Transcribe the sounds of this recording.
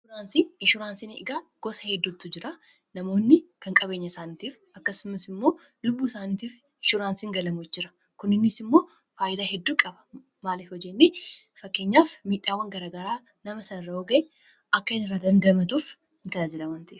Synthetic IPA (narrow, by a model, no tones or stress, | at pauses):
ʊɾaːnsinɪʃʊɾaːnsinɪɪ̰ɡaːɡ̥ɔsɐhɛd̪ːʊt̪ːʊd͡ʒɪɾa | nɐmo̞ːnːɪkɐŋkʼɐbe̞ːɲːɐsaːnit̪iːf | ɐkːɐsʊmɐsɪmːo̞ː | lʊbːuːsaːnit̪iːf | ɪʃʊɾaːnsiːŋɡɐlɐmʊɪd͡ʒːɪɾɐ | kʊnɪnːɪsɪmːo̞ː | faːjɪd̪aːɦɛd̪ːuːkʼɐbɐ̥ | maːliːfɔd͡ʒːɛnːifɐkːe̞ɲːaːfmiːᶑːaːwːɐŋɡɐɾaːɡɐɾaː | nɐmɐsɐnɪrːɐɔɡɐɛ | ʔɐkːɐɪnɪrːaːd̪ɐnd̪ɐmɐt̪uːf | ɪŋkɐd̪aːd͡ʒɛlɐmɐnt̪ɐʔɛf